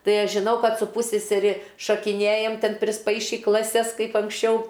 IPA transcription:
ˈtɐɪ ˈɐʃ ʒʲɪˈnɐʊ ˈkɐt sʊ ˈpuːsʲsʲɛsʲɛrʲɪ ʃɐkʲɪˈnʲeːjɛm ˈtʲɛn pʲrʲɪsˈpɐɪʃʲiː klˠɐˈsʲɛs ˈkɐɪp ɐŋksʲˈt͡ʃʲɛʊ

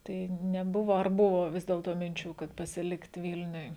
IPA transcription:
ˈtɐɪ nʲɛˈbʊʋoː ɐr ˈbʊʋoː ˈʋʲɪs dʲeːlˠtoː mʲɪnʲˈt͡ʃʲuː kɐt pɐsʲɪˈlʲɪkt ˈʋʲɪlʲnʲʊj

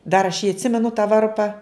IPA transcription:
dɐr ɐʃ jiː ɐtʲˈsʲɪmʲɛnʊ tɑː ˈʋɐrpɐ

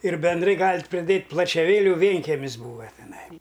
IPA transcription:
ɪr bʲɛnˈdrɐɪ ˈɡɑːlʲɪtʲ ˈpʲrʲɪˈdʲeːtʲ plˠɐt͡ʃʲɛˈʋʲeːlʲʊ ˈʋʲeːŋʲkʲɛmʲɪs ˈbuːʋɐ tʲɛˈnɐɪ

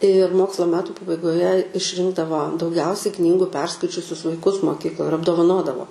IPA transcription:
ɪr ˈmoːkslˠɐ ˈmʲæːtʊ pɐbɐɪɡoːˈjɛ ɪʃʲˈrʲɪŋɡdɐʋoː dɐʊˈɡʲɛʊsʲɛɪ ˈknʲiːɡʊ ˈpʲɛrskɐɪt͡ʃʲʊsʲʊs ʋɐɪˈkʊs moːˈkʲiːklˠoːj ɪr ɐbdoːʋɐˈnoːdɐʋoː

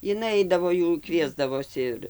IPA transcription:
ɪˈnɐɪ ˈɐɪdɐʋoː ˈjuː ˈkʋʲiɛzdɐʋoːsʲɪ ɪr

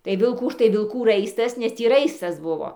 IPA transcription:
tɐɪ ʋʲɪlˠˈkuː ˈtɐɪ ʋʲɪlˠˈkuː ˈrɐɪstɐs nʲɛs ˈtʲiː ˈrɐɪstɐs ˈbʊʋoː

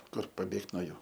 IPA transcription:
ˈkʊr pɐˈbʲeːkt noː ˈjuː

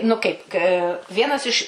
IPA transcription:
nʊ ˈkɐɪp k ˈʋʲiɛnɐs ɪʃ

